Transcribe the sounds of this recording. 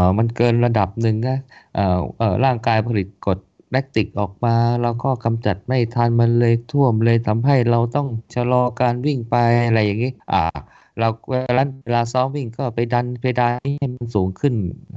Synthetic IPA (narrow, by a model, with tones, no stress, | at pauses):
ʔːma˧nkɤː˧nɾa˧da˨˩p̚nɯ˨˩ŋna˦˥ʔaː˨˩ʔɤː˨˩ɾaː˥˩ŋkaː˧jpʰa˧li˨˩t̪̚ko˨˩t̪̚ | lɛ˦˥k̚t̪i˨˩k̚ʔɔː˨˩k̚maː˧ɾa˧wkɔː˥˩ka˧mt͡ɕa˨˩t̪̚ma˥˩jt̪ʰaː˧nma˧nlɤː˧jt̪ʰu˥˩əmlɤː˧jt̪ʰa˧˥mɦa˥˩jɾa˧wt̪ɔ˥˩ŋt͡ɕʰa˧lɔː˧kaː˧nwi˥˩ŋpa˧ja˧ɾa˧jːaː˨˩ŋːi˦˥ʔa̰ː˨˧˩ | ɾa˧wweː˧laː˦˥eː˧laː˧sɔː˦˥ŋwi˥˩ŋkɔː˥˩pa˧jda˧npʰeː˧daː˧i˥˩a˥˩jma˧nsuː˩˦ŋkʰɯ˥˩n